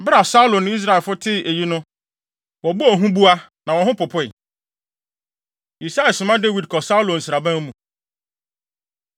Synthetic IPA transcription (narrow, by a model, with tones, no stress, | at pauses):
ba˨sa˦u˦lõ˨nʊ̃˦i˦s̬ɾa˦˨lfʊ˦tʰɪ˦e˨ji˦nʊ̃˦ | wɔ˨bɔ˦ɔ˨ɦũ˦bu˦a˦nã˨wɔ̃˨ɦʊ̃˦pʊ˨pʰʊ˦ɪ˨ | i˨sa˦ɛ˨sʊ̃˨mã˦de˦wi˨d̚kʰɔ˨sa˦u˦lõ˨n̩˨sɾa˨bæ̃˦m˦mũ˨